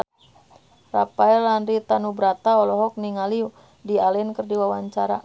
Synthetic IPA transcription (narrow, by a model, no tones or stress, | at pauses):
rapaɛlanɾit̪anubɾat̪aɔlɔɦɔk̚niŋali | dialɛnkərdiwawaɲt͡ʃaɾa